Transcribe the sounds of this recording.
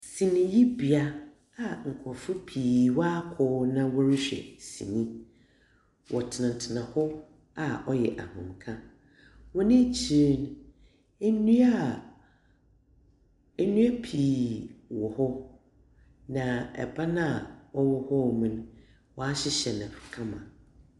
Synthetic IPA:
sĩ˨nĩ˨ji˦bi˨a˦ | a˨ŋ̩˨kʰɔ˨fʊ˦pʰiː˨wa˦kʰɔ˦nã˦wɔ˦ɾɪ˦ɕᶣɛ̰˨sḭ̃˨nĩ˦ | wʔɔ˨tʰɪ˨nã˨n˨tʰɪ˨nã˨hɔ˦ | a˨ʔɔ˦jɛ˨ʔa̰˨hʊ̰̃˨mkʰã˦ | wɔ˦nɪ̃˦t͡ɕʰi˨ɾe˦n | e˦nũ˦a˦˨ | e˦nũ˦e˦pʰiː˨wɔ˨hɔ˦ | nã˨ɛ̰˨ba˦nã˦˨wɔ˦wɔ˦hɔ˦˨mũ˨˦n | wɔ˦a˦ɕɪ˦ɕɛ˨nɪ̃˨kʰã˦mã˨

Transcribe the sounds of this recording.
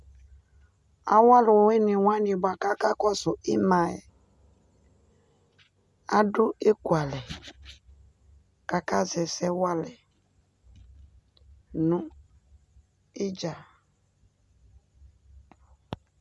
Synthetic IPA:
a̰˦wa˦lʊ˨we˦ni˨wʷa˦ni˨ba˨ka˦ka˦kɔ˦sʊ˨ʔi˦ma˨ɛ̰˨ | a˦dʊ˦e˦ku˨a˨lɛ˨ | ka˨ka˦zɛ˨sɛ˦wa˦lɛ˨ | nũ˦ | i˦d͡ʒa˨

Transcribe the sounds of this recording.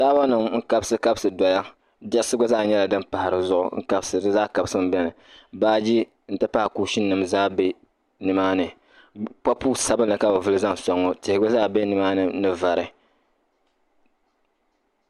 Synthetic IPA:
saː˦ba˦nɨ˨mŋ̩˦ka˦bsɨ˦ka˦bsɨ˨dɔ˨˦ja˦ | bɛ˦sɨ˦ɡʊ˦zaː˦˨ɲɛ˦la˨dɨ˦mpa˨ha˨ɾɨ˨zʊ˦ʔʊ̰˨ŋ̩˦ka˦bsɨ˨dɨ˦zaː˦˨ka˨bsɨ˦m˦bɛ˦nɨ˨ | baː˦d͡ʒi˦ | n̩˨tɨ˦pa˦hkuː˨ʃi˦nː˦ɨ˨mzaː˦bɛ˦ | nɨ˨maː˦nɨ˨ | pa˦puː˦sa˦bɨ˦n˦lɨ˨ka˦bo˨vɨ˦lɨ˦za˦n˨sɔ˦ŋːɔ˦tɪ˨hɪ˨ɡo˦zaː˦bɛ˦nɨ˨maː˦nɨ˨nɨ˦va˨ɾɨ˨

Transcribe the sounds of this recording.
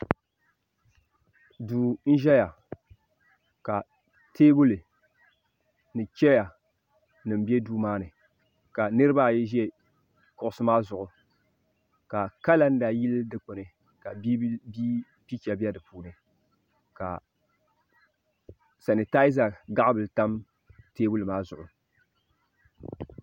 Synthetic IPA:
duː˨n̩˦ʒɛ˦ja˨ | ka˨ | tʰeː˦bʊ˦lɨ˨ | nɨ˨t͡ʃɛ˦ja˨ | nɨ˨m̩˨bi˦e˦duː˦maː˦nɨ˨ | ka˨nɨ˦ɾɨ˦ba˦˨jɛ˦ʒɛ˦ | kʊ˨ʔʊ˦sɨ˦maː˦zʊ˨ʔʊ˨ | ka˨ka˦la˦n̩˦da˨ji˦ldɨ˦k͡po˨nɨ˨ | ka˨bi˦bi˦ | pi˦t͡ʃa˨bi˦ɛ˦dɨ˨puː˨nɨ˨ | ka̰˨ | sa˨nɨ˨ta˦i˦za˨ɡa˦ʔbɨ˨lta˦m | teː˦bu˦lɨ˨maː˦zʊ˨ʔʊ˨

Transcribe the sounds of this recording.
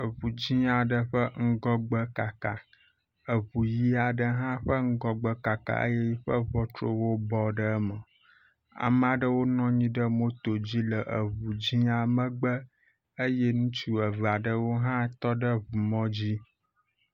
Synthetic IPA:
ə˨βu˨d͡ʑĩ˦a˨ɖə˦ɸə˦ŋ̩˦ɡɔ˦ɡ͡bə˦ka˨ka˨ | ə˨βu˨ji˦a˨ɖə˦ɦã˦ɸə˦ŋ̩˦ɡɔ˦ɡ͡bə˦ka˨ka̰˨ʔə̰˦jɛ˦ji˦ɸə˦βɔ˦t̪ɾo̰˦wo˦bɔ˦ɖə˦mə˨ | a̰˨m˦a˨ɖə˦wo˦nɔ̃˦ɲĩ˦ɖə˦mo˦t̪o˨d͡ʑi˦lə˨ʔə˨βu˨d͡ʑi˦a˨mə̃˦ɡ͡bə˦ | ə˦jɛ˦nũ˦t͡ʃu˦ə˨və˨a˨ɖə˦wo˦ɦã˦t̪ɔ˦ɖə˦βu˨mɔ̃˦d͡ʑi˦

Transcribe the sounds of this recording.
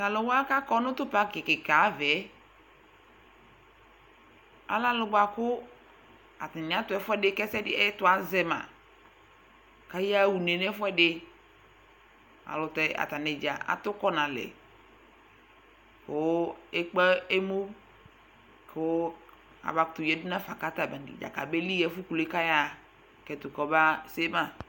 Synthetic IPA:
ta˨lʊ˨wa˦ka˦kɔ˦nʊ̃˦t̪ʊ˦pa˦kɪ˨kɪ˨ka˨˦vɛ˨˦ | a̰˨la˦lʊ˨˦ɡ͡ba˨kʊ˦ | a˨ta˨nɪ˨a˦tʊ˦ɛ˦fɛ˦dɪ˦kɛ˦sɛ˦dɪ˦ɛ˦tʊ˦a˨zɛ˦mã̰˨ | ka˦ja˦˨wu˨ne˨nɛ˦fʊ˦ɛ˦ɖɪ˦ | a̰˨lʊ˨tɛ˨a̰˨ta˨ne˨d͡ʒa˨a̰˨tʊ˦kɔ˦nã˨lɛ̰˨ | kʊ˦e˦k͡pɛ˦e˦mo˦ | kʰʊ˦ | a̰˨ba˨ktʊ˨jɛ˨˦dʊ˦nã˦fa˨ka˦ta˨ba˨nḭ˨d͡ʒa̰˨ka̰˨be˦li˦jɛ˨˦fʊ˦ku˨le˦ka˦ja˦ | kɛ˨tʊ˨kɔ˨ba˦se˦ma˦˨

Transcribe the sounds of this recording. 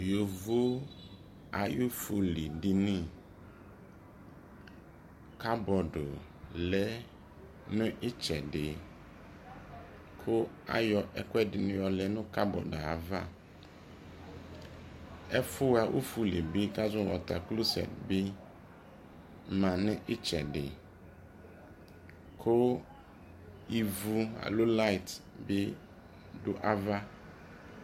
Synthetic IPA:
jo˨vo˦ | a˨ju˦fu˨li˨dɪ˨nĩ˦ | ka˦bɔ˨do˨ | lɛ˦ | nʊ̃˦ʔɪ˦t͡ʃɛ˨dɪ˨ | kʰʊ˦ | a̰˦jɔ˨ʔɛ˨kwɛ˦dɪ˨nɪ̃˦jɔ˨lɛ˨nʊ̃˦ka˦bɔ̰˨do˨a˨va˦ | ɛ˦fʊ˦a˨ʔṵ˦fu˦le˨bi˦ka˦zʊ̃˦wɔ̰˨t̪a̰˨klo˦sɛ̰˨tbɪ˦ | mã˨nɪ̃˦ʔɪ˦t͡ʃɛ˨ɖɪ̰˨ | kʰʊ˦ | i˨vu˦a̰˨lo˦la˦˨i˨t | bɪ˦ | dʊ˦ʔa˦va˦

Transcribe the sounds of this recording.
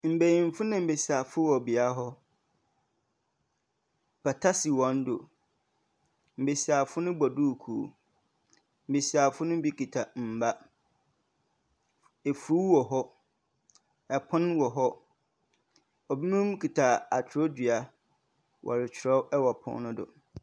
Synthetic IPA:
m̩˨be˨jĩ˨m˦fʊ˦nã˦m̩˨be˨si˨a˨fʊ˦wɔ˨bi˨a˦ɦɔ˦ | pʰa˨tʰa˦si˨wɔ̃˨n˦do˨ | m̩˨be˨si˨a˨fʊ˦nʊ̃˦bɔ˨du˦˨kʰu˨o̰˨ | m̩˨be˨si˨a˨fʊ˦nʊ̃˦bi˦kʰi˨tʰa˨m̩˨ba˦ | e˨fu˨ɾu˦wɔ˨ɦɔ˦ | ɛ˨pʰʊ̃˦nwɔ˨ɦɔ˦ | ɔ˨bi˦mũ˦m˦kʰi˨tʰa˨a˨tʰɾo˦di˨a˨ | wʔɔ̰˨ɾɪ˨t͡ɕʰɾɛ˦wɛ˦wɔ˨pʰʊ̰̃˦nʊ̃˦dʊ̰˨

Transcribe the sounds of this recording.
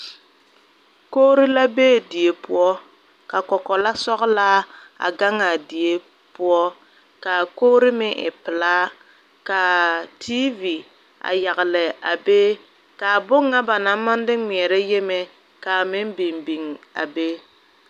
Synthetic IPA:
koː˦ɾi˦la˦beː˦˨di˨e˨pʊ˦ɔ˦ | ka˨kɔ˨kɔ˨la˦sɔ˦ɣlaː˦ | a̰˨ɡa˦ŋa˨di˨e˦ | pʊ˦ɔ˦ | ka˨koː˦ɾɪ˦mɪ˦ʔɪ̰˨pɪ˨laː˦ | ka˨tʰi˦vi˨ | a̰˨ja˨ɣɪ˨lɪ˨a˨be˦ | ka˨bʊ˦ŋːa˦ba˨na˨˦mːa˦n˦dɪ˦ŋi˨ɛ˨ɾɛ˦je˦me˨ | ka˨mɪ˦m˦bi˨mbi˨ŋa̰˨be˦

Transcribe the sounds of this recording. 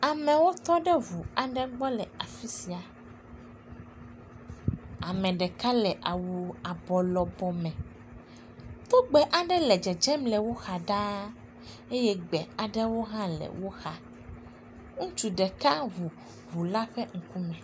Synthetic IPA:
a˨mɛ̃˨wo˦t̪ɔ˦ɖɛ˦vu˨a˨ɖɛ˦ɡ͡bɔ˦lɛ˨a˨fi˦si˨a˨ | a˨mɛ̃˨ɖɛ˨ka˦lɛ˨ʔa˨wu˨a˨bɔ˨lɔ˨bɔ˨mɛ̃˨ | t̪o˦ɡ͡bɛ˨ʔa˨ɖɛ˦lɛ˨d͡ʒɛ˨d͡ʒɛ˦mlɛ˨wo˦xa˨ɖã˦ | e˦jɛ˦ɡ͡bɛ˨a˨ɖɛ˦wo˦ɦã˦lɛ̰˨wo˦xa˦ | ŋũ˦t͡ʃu˨ɖɛ˨ka˦vu˨ | vu˨la˦ɸɛ˦ŋ̩˨ku˦mɛ̃˨

